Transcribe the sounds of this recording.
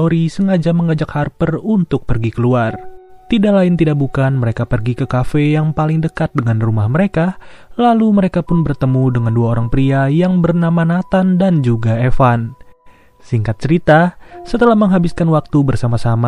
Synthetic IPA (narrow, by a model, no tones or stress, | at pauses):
oɾisəŋad͡ʒaməŋad͡ʒakharpərunt̪ʊk̚pərɡikəluart̪idaʔlaɪnt̪idaʔk̚bukanməɾekapərɡikəkafejaŋpalɪŋdəkat̪̚dəŋanrumahməɾekalaluməɾekapʊnbərt̪əmudəŋanduaoɾaŋpɾiajaŋbərnamanat̪andand͡ʒuɡaefan | siŋkat̪̚t͡ʃəɾit̪asət̪əlahməŋɦabɪskanwak̚t̪ubərsamasama